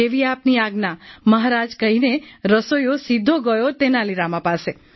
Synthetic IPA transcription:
eʋiapniaɡnaməɦaɾad͡ʒkəɦineɾəsojosid̪ʱːoɡəjot̪enaliɾamãpase

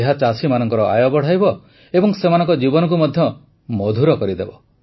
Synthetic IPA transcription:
eɦat͡ʃasimanɔŋkɔɾɔa̰jɔbɔɽ̤ajbɔ | ebɔŋsemanɔŋkɔd͡ʒibɔnɔk̬umɔd̪ʱjɔ | mɔd̪ʱuɾɔkɔɾid̪ebɔ

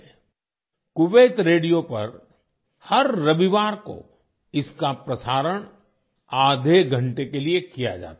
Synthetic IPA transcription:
kʊʋeːt̪ɾeːɖijopɐ̰ɾ | hɐɾːɐʋiʋaːɾko̰ | ɪskapɾɐsaːɾəɽ̃ | aːd̪ʱeɡʱɐ̃ɳʈekeliekija̰d͡ʒa̰ːt̪ː

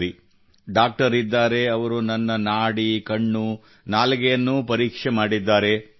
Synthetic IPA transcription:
ɾi | ɖaːk̚ʈɐɾid̪ːaːɾe̞ɐʋɐɾunɐnːɐnaːɽikɐɳːu | naːlkɛjɐnːupɐɾiːkʂɛmaːɽid̪ːaːɾe̞

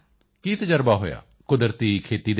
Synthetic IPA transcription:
kiːt̪əd͡ʒəɾbaːɦo̰ːja̰ː | kʊd̪əɾt̪iːkʰeːt̪iːd̪

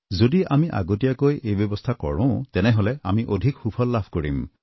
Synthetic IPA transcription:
zodiʔamiʔa̰ɡotijakojejbjɔbɔstʰakɔ̰ɹɔ̰̃tɛnɛɦolɛamiʔodʱikxupʰɔlːapʰkoɹim

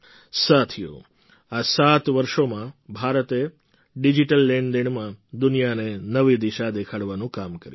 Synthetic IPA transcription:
sat̪ʰijo̰ | asat̪ʋəɾʃomãbʱaɾət̪e | ɖid͡ʒiʈəlːeɳɖd̪eɳ̃mãd̪unijanenəʋid̪iʃad̪ekʰaɽʋanũkamkəɾju

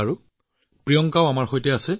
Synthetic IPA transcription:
aɹu | pɹijɔŋkaʊamaɹxojtɛasɛ

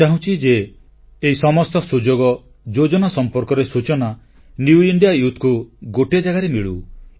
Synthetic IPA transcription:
t͡ʃaɦũt͡ʃʰid͡ʒeː | isɔmɔst̪ɔsud͡ʒoɡɔ | d͡ʒod͡ʒɔnasɔmpɔɾkɔɾesut͡ʃɔna | njuiɳɖijajut̪ʰkuɡoʈed͡ʒaɡaɾemiɭṵ

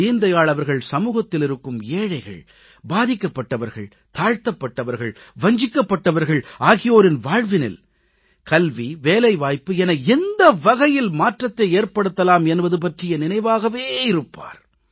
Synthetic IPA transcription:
iːnd̪ɐjaːɭɐʋɐɾɣɐɭsɐmuːɣɐt̪ːɪlɪɾɯkːɯmeːɻɐɪɣɐ̰ɭ | baːðɪkːɐpːɐʈːɐʋɐɾɣɐ̰ɭ | t̪aːɻt̪ɐpːɐʈːɐʋɐɾɣɐɭʋɐɲd͡ʒɪkːɐpːɐʈːɐʋɐɾɣɐɭaːɣɪjoːɾɪnʋaːɻʋɪnɪ̰l | kɐlʋiʋeːlɐɪʋaːjpːɯɛnɐɛnd̪ɐʋɐɣɐjɪlmaːʈrɐt̪ːɐeːɾpɐɽɯt̪ːɐlaːmɛnbɐðɯp̬ɐʈrɪjɐnɪnɐɪʋaːɣɐʋeːɪɾɯpːa̰ːɾ

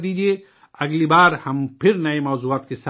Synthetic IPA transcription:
d̪iːd͡ʒie | ɐɡlibaːɾhɐmpʰɪɾnɐemɔːzuaːt̪kesa

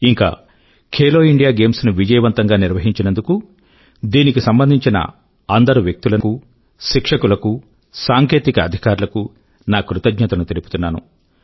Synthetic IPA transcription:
iŋka̰ː | kʰeːloːiɳɖijaːɡe̞ːmsnuʋid͡ʒɐjɐʋɐnt̪ɐŋɡaːniɾʋɐɦiɲt͡ʃinend̪uku | d̪iːnikisɐmbɐnd̪ʱiɲt͡ʃinɐ̰ | ɐnd̪ɐɾuʋjek̚t̪ulɐku | ʃikʂɐkulɐku | saːŋke̞ːt̪ikɐːd̪ʱikaːɾulɐku | naːkɾut̪ɐɡɲɐt̪ɐnut̪e̞liput̪unːaːnṵ

